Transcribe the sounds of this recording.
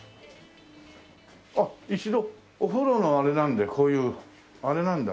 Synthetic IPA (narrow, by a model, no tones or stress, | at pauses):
ait͡ɕid̪o̞ː | ɸɯ̟ɾo̞no̞aɾe̞nãnd̪e̞kʰo̞ːjɯ̟ː | aɾe̞nãnd̪a